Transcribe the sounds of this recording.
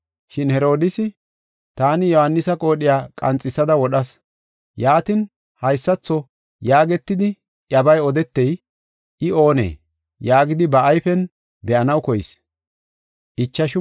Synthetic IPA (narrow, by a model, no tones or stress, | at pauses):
ʃɪnhɛɾo̞ːd̪ɪsɪ | t̪aːnɪjɔhɐnːɪsɐkʼo̞ːɗɪjaːkʼɐ̰nt͡sʼːɪsːɐd̪ɐwɔɗɐs | jaːt̪ɪn | hɐjsːɐt͡sːɔ | jaːɡɛt̪ːɪd̪ɪ | ʔjɐbɐjɔd̪ɛt̪ːɛj | ʔɪo̞ːnḛː | jaːɡɪd̪ɪbɐʔɐjfɛn | bɛʔɐnɐwkɔjɪs | ʔɪt͡ʃːɐʃ